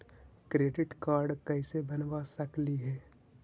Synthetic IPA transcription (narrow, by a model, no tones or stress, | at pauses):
kɾeːɖɪʈkaːɾɖkəɪsebɐnʋasəkliɦɛː